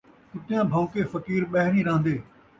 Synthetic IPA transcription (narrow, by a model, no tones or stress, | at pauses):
t̪ʊt̪ɪjãːbʱɐ̃ʊkefɐkiːɾɓɐɦɪɾĩːɾãːə̃nd̪eː